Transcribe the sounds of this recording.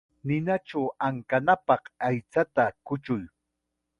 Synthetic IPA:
nɪnaʈ͡ʂawaŋkanapɑqajt͡sat̪akʊt͡ʃʊj

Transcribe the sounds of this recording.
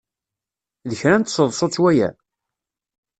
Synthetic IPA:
ðəçɾænt̪səðˤsˤɑt͡sːwæjæ̰

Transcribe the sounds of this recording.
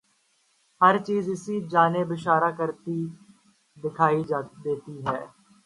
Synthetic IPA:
həɾt͡ʃiːzɪsiːd͡ʒaːneːbɪʃaːɾaːkəɾt̪iː | d̪ɪkʰaːiːd̪eːt̪iːɦɛː

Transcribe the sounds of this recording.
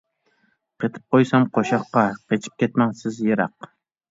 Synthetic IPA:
qʰet̪ʰɨ̥p̚qojsɑmqʰoʃɑqːɑqʰet͡ʃʰi̥p̚kʲet̪mɛŋsɪzjeɾɑq̚

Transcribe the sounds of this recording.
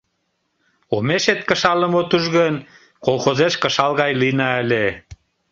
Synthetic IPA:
omeʃet̪̚kəʃɑlə̆mot̪uʒɣən | kolˠxozeʃkə̆ʃɑlɣɑjlinɑəlʲe

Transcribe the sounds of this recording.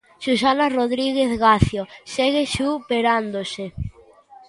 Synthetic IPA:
ʃus̬anaroðɾiɣeθɣaθjoseɣeʃupeɾand̪ose

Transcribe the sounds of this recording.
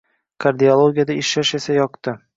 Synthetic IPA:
kʰaɾd̪iolˠoɡʲijad̪aɪʃaʃe̞sajɒqt̪ɪ

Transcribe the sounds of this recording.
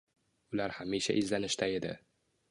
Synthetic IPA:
ʊlaɾhamiʃa̰ʔɪzlanɪʃt̪ʰae̞d̪ɪ̰

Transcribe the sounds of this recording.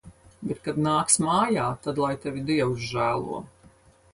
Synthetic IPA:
bɛt̪kad̪naːksmaːjaːt̪ad̪lˠajt̪ɛvʲid̪iɛwsʒæːlˠṵɔ

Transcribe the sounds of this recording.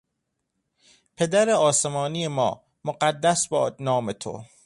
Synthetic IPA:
pʰe̞d̪æɾeɒːsemɒːnijemɒ̰ː | moɢæd̪ːæsbɒːnɒːmet̪ʰo̰

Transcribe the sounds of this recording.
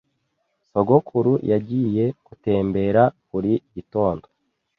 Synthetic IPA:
so̞ɡo̞kʰuɾujaɟiːje̞kute̞ːmbe̞ɾakuɾiito̞ːndo

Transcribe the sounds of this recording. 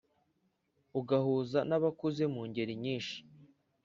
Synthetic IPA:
uɡahuːzanaβakuze̞muːɲɟe̞ɾiɲiːnʃi̥

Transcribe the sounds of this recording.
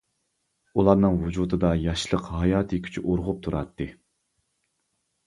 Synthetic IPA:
ulˠɑɾnɨŋvud͡ʒud̪ɨd̪ɑjɑʃlˠəqhɑjɑːt̪ʰɨkʲʰy̥t͡ʃʰyʔoɾʁʊp̚t̪ʰuɾɑ̰t̪ːɨ

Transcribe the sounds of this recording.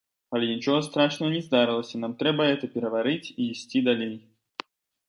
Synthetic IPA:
ɐlʲɛnʲit͡ʃɔɣɐst̪ɾaʂnɐɣənʲɛzd̪aɾɨlˠəsʲɐn̪amt̪ɾɛbɐɦɛt̪ɐpʲɛɾɐvaɾɨt͡sʲiːsʲt͡sʲid̪alʲej

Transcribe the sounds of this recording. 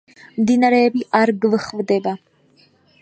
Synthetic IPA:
md̪inaɾɛːbiʔaɾɡvɨχvd̪ɛba

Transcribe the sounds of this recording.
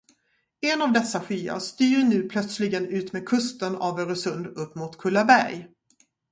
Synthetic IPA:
ɛnavd̪ɛsːaɧyːa̰ʂt̪yːɾɳʉ̟ːpʰlœt̪slɪɡənʉ̟ːt̪meːd̪̚kʰɵst̪ənavœɾɔsɵnd̪ɵpːmuːt̪kʰɵlːaɾbæɾj

